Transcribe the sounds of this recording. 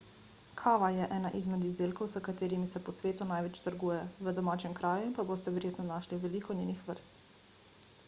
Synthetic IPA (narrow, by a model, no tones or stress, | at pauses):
kʰaːʋajɛʔɛːnaʔizmɛd̪izd̪eːlkɔwzəkat̪eːɾimisɛpɔsʋeːt̪unaːjʋɛt͡ʃt̪əɾɡuːjɛʋəd̪ɔmaːt͡ʃɛmkɾaːjuinpaboːst̪ɛʋɛɾjeːt̪nɔnaːʃliʋɛlikɔneːnixʋəɾst̪